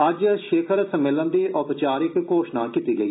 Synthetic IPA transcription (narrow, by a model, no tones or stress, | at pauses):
ɐd͡ʒʃeːkʰəɾsəmːeːlənd̪iːʔʊpt͡ʃaːɾɪkːoːʃnaːkiːt̪iːɡəiː